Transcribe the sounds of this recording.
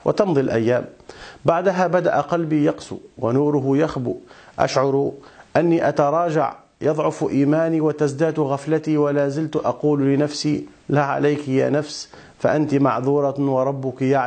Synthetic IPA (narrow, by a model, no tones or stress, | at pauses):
wʔɪ̰t̪ɑnðˤilʔa̰jːaːmbaʕd̪aɦabad̪a̰ʔaqɑlbijɑqsṵwanuːɾʊɦʊjaxbṵʔa̰ʃʕʊɾˤʔanːiʔat̪ɑɾˤɑːd͡ʒa̰ʕ | jɑðˤʕʊfʔiːmaːniwat̪asd̪aːd̪ɣaflat̪iwalaːzɪlt̪ʔɑquːllɪnafsilaʕa̰lajkja̰ːnafs | faʔant̪imɑʕðˤuːɾˤɑwɑɾˤɑbːʊkjaʕ